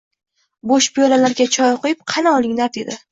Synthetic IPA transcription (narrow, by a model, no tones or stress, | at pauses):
boʃpʰijɒlalaɾɡʲat͡ʃʰɒjqʰojɪp̚qʰɑnaɒlˠɪŋlaɾd̪e̞d̪ɪ